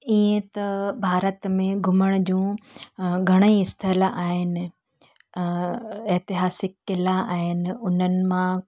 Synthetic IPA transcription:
iẽt̪ɐbʱaːɾət̪mẽɡʱʊməɽ̃ʊd͡ʑũː | ɡʱɐɽ̃əiɪst̪ʰəlaːɦɪnɪ̆ | eɦt̪ɪɦaːsɪkɪlaaːɦɪnɪ̆ʊn̤ənɪ̆mã

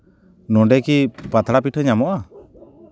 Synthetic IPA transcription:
nɔɖɛkipat̪ɾapiʈʰɔɲamɔʔa

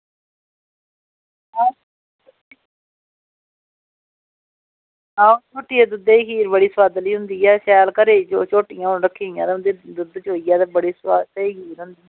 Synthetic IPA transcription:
aː | ãːt͡ʃʰoːʈiːɛːd̪ʊd̪eiɦiːɾbəɽiːswaːd̪liːɦʊnd̪iːɛːʃɛːlkəɾeːd͡ʒoːt͡ʃoːʈɪjãːɾəkʰːiːjãːt̪eʊ̃nd̪eːd̪ʊd̪t͡ʃoːijɛːt̪eːbəɽiːswaːd̪eiːɦiːɾɦʊnd̪iː

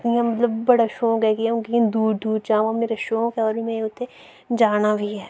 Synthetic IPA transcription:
t̪nijãmɐt̪ləbːɐɽaʃõːkɛkiũkikĩnd̪uːɖd̪uːɖ̚t͡ʃãːmameːɾeʃõːkeɔːɾmẽʊt̪ʰːe | d͡ʒaːnabʱiɦɛː

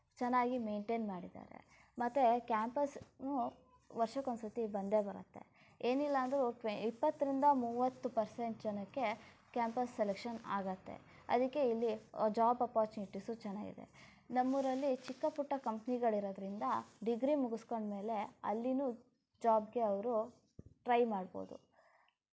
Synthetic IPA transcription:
t͡ʃɛnːaːɡimeːɳʈeːnmaːɽid̪a̰ːɾḛ | mɐt̪ːekjaːmpɐsnu | ʋɐɾʃɐkonsɐt̪ibɐnd̪e̞bɐɾɐ̰t̪ːe̞̰ | eːnilːɐːnd̪ɐɾuʈʋeipːɐt̪ːɐɾind̪ɐmuːʋɐt̪ːupɐɾse̞ɳʈ̚d͡ʒɐnɐkːe̞ | kaːmpɐsːelekʂɐna̰ːɡɐt̪ːe̞̰ | ɐ̰d̪ikːe̞ilːid͡ʒaːbɐpɾaːt͡ʃniʈːisut͡ʃɛnːa̰ːɡḭd̪e̞̰ | nɐmːuɾɐlːit͡ʃikːɐpuʈːɐkɐmpniɡɐɭiɾod̪ɐɾind̪ɐɖiɡɾimuɡusko̞ɳɖme̞ːle̞ɐ̰lːinu | d͡ʒaːbɡe̞ɐʋɐɾu | ʈɾɐjmaːɽbo̞̰ːd̪ṵ

